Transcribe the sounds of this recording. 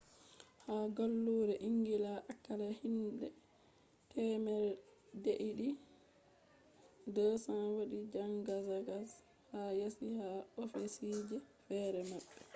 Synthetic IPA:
haɡolːuːɾɛʔiŋɡilaʔakːalahinɗɛ | tʰɛːmɛldeʔiɗi | dɔsanwoɗid͡ʒaŋɡazaɡas | hajasihaofisid͡ʒɛfɛːɾɛmaɓːɛ

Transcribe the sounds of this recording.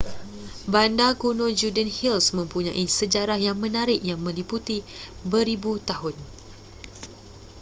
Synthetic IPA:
bandakunõd͡ʒudənhilsmə̃mpuɲã̰ʔisəd͡ʒaɾahjaŋmə̃naɾɪʔjaŋmə̃liput̪ibəɾibut̪aɦʊn

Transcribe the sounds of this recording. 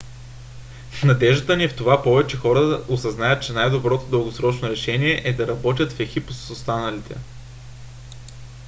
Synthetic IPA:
snɐd̪ɛʒd̪ət̪ənift̪ovapɔvɛt͡ʃɛxɔɾəosɐznajət̪̚t͡ʃɛnajd̪obɾɔt̪od̪ɤlˠɡosɾɔt͡ʃnoɾɛʃɛniɛʔɛd̪ɐɾɐbɔt̪̬ʲət̪fɛxipossost̪anəlit̪ʰɛ̰

